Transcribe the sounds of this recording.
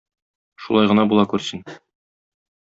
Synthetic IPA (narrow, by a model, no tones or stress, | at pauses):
ʃṵlˠɑjʁɤ̆nɑbulˠɑkʉɾsɘn